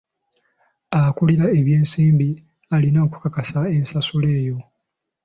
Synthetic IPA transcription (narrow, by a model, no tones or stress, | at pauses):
akuliɾae̞βje̞ːnsiːmbi | alinaoku̥kakasae̞nsasule̞ːjo̞